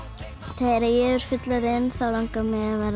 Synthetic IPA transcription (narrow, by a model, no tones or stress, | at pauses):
θʰeɾaðjɛʏɾ̥fʏt̪laɾɪnθawlaŋkamɛɣaðvɛɾ